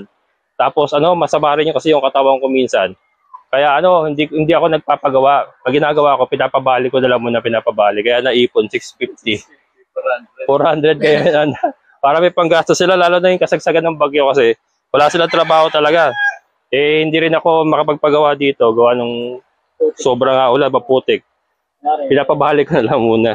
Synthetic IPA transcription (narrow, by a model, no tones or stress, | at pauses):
t̪aːpo̞sʔɐno̞mɐsɐmaːɾɪnɲokɐsɛjʊŋkɐt̪ɐwɐŋko̞miːnsɐn | kɐjaʔɐno̞hɪnd̪ikhɪnd̪iʔɐko̞nɐɡ̚paːpɐɡɐwaʔmɐɡɪnaːɡɐwako̞pɪnaːpɐbaːlɪkonɐlaŋmuːnɐpɪnaːpɐbaːlɪkɐjaʔnɐʔiːponsɪksfift̪i | foɾhand̪ɾɛd̪̚kɐjanɐn | paːɾɐmɐjpɐŋɡaːst̪osɪlalaːlonɐjʊŋkɐsɐɡ̚sɐɡanːɐŋbɐɡjo̞kɐsɛ | wɐlaːsɪlant̪ɾɐbaːho̞t̪ɐlɐɡa | ʔɛhɪnd̪iːɾɪnɐko̞mɐkɐpɐɡ̚pɐɡɐwad̪iːt̪o̞ɡɐwanʊŋ | so̞ːbɾɐŋaʔʊlabɐpuːt̪ɪk̚ | pɪnaːpɐbaːlɪkonɐlɐŋmuːnɐ